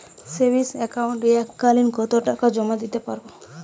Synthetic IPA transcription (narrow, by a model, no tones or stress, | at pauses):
sebisɛkawɳʈeɛkːalinkɔt̪oʈakad͡ʒɔmad̪it̪epaɾbo